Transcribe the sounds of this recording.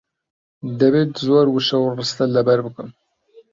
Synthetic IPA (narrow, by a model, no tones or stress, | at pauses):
d̪ɐbet̪zoːɾwɨʃɐwrɨst̪ɐlɐbɐɾbɨkɨm